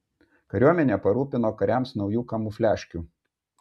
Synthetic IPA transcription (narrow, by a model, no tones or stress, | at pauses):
kɐɾʲuɔmʲɛnʲeːpɐɾuːpʲɪnoːkɐɾʲæmsnɒʊjuːkɐmuːfʲlʲæːʃʲkʲuː